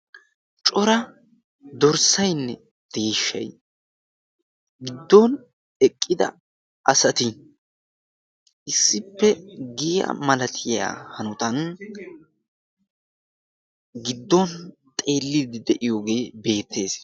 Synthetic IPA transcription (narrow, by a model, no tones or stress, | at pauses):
t͡ʃʼɔɾɐ | d̪ɔɾsɐjnːɛ | d̪̥e̞ːʃːɐ̰j | ɡɪd̪ːɔn | ɛkʼːɪd̪ɐ̰ | ʔɐsɐt̪ɪ | ʔɪsːɪpːɛɡija̰mɐlɐt̪ʰɪja̰ːhɐnʊt̪ɐn | ɡɪd̪ːɔnt̪ʼe̞ːlːɪd̪ɪd̪ɛʔɪjoːɡe̞ːbe̞ːt̪ːe̞ːs